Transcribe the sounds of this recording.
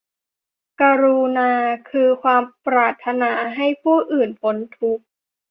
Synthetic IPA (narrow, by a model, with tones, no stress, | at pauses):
ka˧ɾu˧naː˧kʰɯː˧kʰwaː˧mpɾaː˧˩t̪ʰːa˧naː˧ɦa˥˩jpʰuː˥˩ʔɯː˨˩npʰo˨˦˥nt̪ʰu˦˥k̚